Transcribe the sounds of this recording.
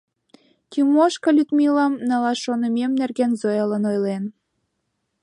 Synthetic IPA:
kʲymoʃkɤ̆lʲyt̪mʲilɑmnɑlɑʃonə̆mʲemnærɣenzojɤlə̆nojlen

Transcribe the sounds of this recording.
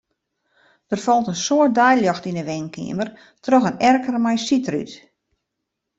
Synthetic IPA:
d̥ərfɔlˠtənsoət̚dɛjljɔxtinəʋɛnkʰɪ̰əmər | trɔxənɛrkərmɛjsitry̰t

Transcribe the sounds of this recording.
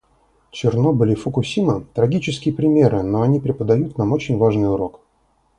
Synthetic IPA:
t͡ɕɪrnobʲəlʲɪfəkʊsʲimɨt̪ɾɐɡʲit͡ɕɪskʲɪjəpɾʲɪmʲe̞ɾʔɨno̞ɐnʲipɾʲɪpəd̪ɐjut̪namo̞t͡ɕɪnʲvaʐnɨjʊɾo̞k

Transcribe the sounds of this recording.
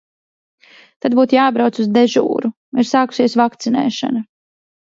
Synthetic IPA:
t̪ad̪̚buːt̪jaːbɾawt̪suzd̪ɛʒṵːɾu | iɾsaːku̥siɛsvakt̪sinɛ̰ːʃa̰na

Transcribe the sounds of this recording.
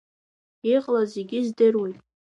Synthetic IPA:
iqʼlazeɡʲɪzdɨrwijtʼ

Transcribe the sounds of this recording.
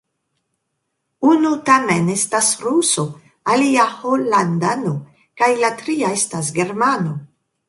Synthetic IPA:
unutamenestasɾuso | aliaholandano | kajlatɾiaestasɡe̞ɾmano

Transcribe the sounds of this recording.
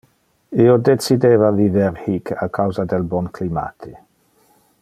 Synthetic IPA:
iod̪et͡sid̪eːvaviveɾhikakʰawzad̪elbɔnklima̰t̪ʰe

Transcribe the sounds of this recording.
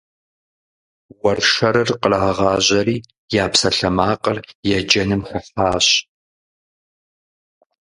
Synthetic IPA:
wɐrʂɐɾɨrqəlɐʁɐʁɑːʑɐɾiː | jaːpsɐɬɐmaːqərjɛd͡ʒɐnɨmxɐfaːɕ

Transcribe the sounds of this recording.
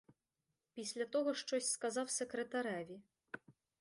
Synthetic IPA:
pʲisʲlʲat̪ɔɣɔʂt͡ʂɔsʲskazawsʲɛkɾɛt̪aɾavʲi

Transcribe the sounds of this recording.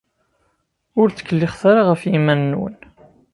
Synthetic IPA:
ʊɾt͡sə̥kːəlːɪχθaɾaʁəfjimænːwə̰n

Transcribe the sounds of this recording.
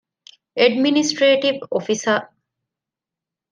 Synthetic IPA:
eɖminisʈɾeːʈiʋofisɐ

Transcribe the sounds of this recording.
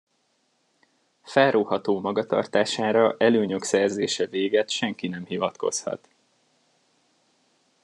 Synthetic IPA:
fɛlroːhɒt̪oːmɒɡɒt̪ɒ̰rt̪aːʃaːɾɒʔɛløːɲøksɛrzeːʃɛveːɡɛt̪ʃɛŋkinɛmhivɒt̪ko̞̰shɒ̰t̪

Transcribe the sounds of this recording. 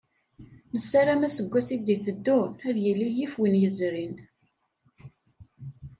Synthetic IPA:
nəsːaɾamæsəɡʷːæsid̪iθəd̪ːunæðjilːijifwinjəzɾin

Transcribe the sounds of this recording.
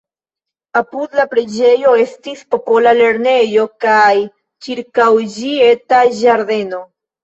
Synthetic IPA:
apud̪lapɾed͡ʒe̞jo̞e̞stispo̞po̞lale̞ɾne̞jo̞kaj | t͡ʃiɾkawd͡ʒie̞taʒaɾde̞no̞

